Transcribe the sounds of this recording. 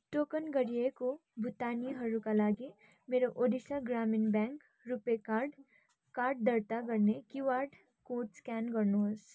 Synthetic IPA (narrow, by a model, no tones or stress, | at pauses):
ʈoːkənɡəɾijekobʱʊt̪aːniɦɐɾukalaːɡi | meːɾoʔoːd̪iʃaɡɾaːmɪnbɛ̃ːŋk | ɾupekaːɾɖ | kaːɾɖ̚d̪əɾt̪akəɾnekiʋaːɾɖ | koːʈskɛːnkəɾnoɦs